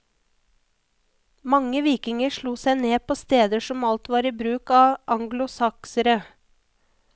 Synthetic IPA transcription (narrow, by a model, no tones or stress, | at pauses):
mɑŋəʋiːkɪŋəʃɭuːsæɪneːpʰoːst̪eːd̪əʃɔmɑlt̪ʋɑːɾiːbɾʉːkɑːʔɑŋɡlʊsɑksəɾə